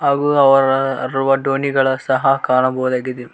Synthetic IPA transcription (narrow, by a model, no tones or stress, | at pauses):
ɐɣuɐʋɐɾɐruʋɐɖoːniɣɐɭsɐɦɐkaːɳɐboːðɐɡɐd̪im